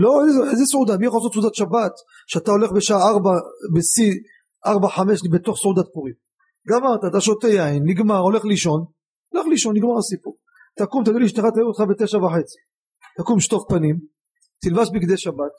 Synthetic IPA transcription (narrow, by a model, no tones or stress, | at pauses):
lo̞ezesʔezesʕud̪amijaχalas̬otsud̪at̪ʃabat̪ | ʃeat̪ao̞le̞χbeʃaaaʁbabesi | ʔaʁbaħameʃlibet̪o̞χsʕud̪at̪̚puʁim | ɡamaʁt̪at̪aʃot̪ejainːiɡmaʁole̞χliʃo̞n | ole̞χliʃo̞nːiɡmaʁasipuʁ | t̪akumt̪aɡiliʃt̪eχat̪ajumot̪χabet̪eʃavaħet͡si̥ | t̪akumʃt̪oχpanim | t̪ilvaʃbikd̪eʃabat̪̚